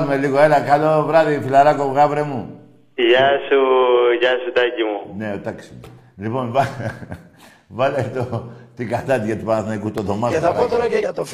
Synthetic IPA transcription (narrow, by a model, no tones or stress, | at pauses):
lumeliɣoelɐkɐlovɾɐðifilɐɾɐkoɣɐvɾemu | jɐsuʝɐsut̪ɐcimuneot̪ɐksime | liponvɐ | vɐlet̪ot̪ikɐθɐt̪iʝɐt̪ipɐnɐθnɐikust̪oðomɐeɐot̪oɐt̪o